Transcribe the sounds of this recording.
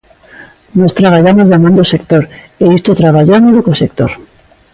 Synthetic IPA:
nost̪ɾaβ̞aʎamozðamõnd̪osek̚t̪oɾeist̪ot̪ɾaβaʎanelukosek̚t̪oɾ

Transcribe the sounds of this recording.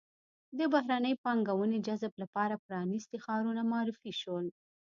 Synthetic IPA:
d̪əbaɦɾanəjpɑŋɡawəned͡ʒazblapɑɾapɾɑnist̪exɑɾunamɑɾifiʃəl

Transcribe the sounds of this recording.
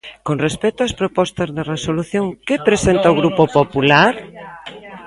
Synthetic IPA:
koŋrespɛt̪oɐspɾopɔst̪ɐzðeresoluθjoŋkepɾesent̪aoɣɾupopopulaɾ

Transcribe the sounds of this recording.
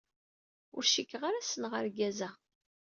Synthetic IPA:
ʊ̰ɾʃikːʁaɾasənʁəɾɡæzæ

